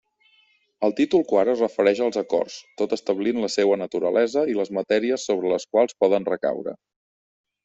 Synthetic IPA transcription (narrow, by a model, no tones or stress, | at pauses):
əlˠt̪it̪ulˠkwaɾərəfəɾɛʃəlˠzəkɔ̰rst̪ot̪əst̪əβlinləsewənət̪uɾəlʔɛzəiləzmət̪ɛɾiəsːoβ̞ɾələskwalˠspɔðənrəka̰wɾə̰